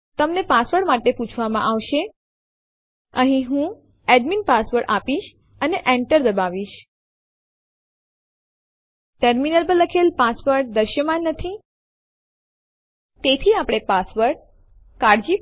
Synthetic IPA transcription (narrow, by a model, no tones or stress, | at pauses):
t̪əmnepasʋəɽmaʈeput͡ʃʰʋamã̰ʔaʋʃe | əɦĩɦũ | ɛɖminpasʋəɾɽapiʃ | əneʔẽɳʈəɾd̪əbaʋiʃ | ʈəɾminəlpəlːəkʰelpasʋəɾʈ̚d̪əʃjəmãnːət̪ʰi | t̪et̪ʰiapɽ̃epasʋəɾʈ | kaɾd͡ʒi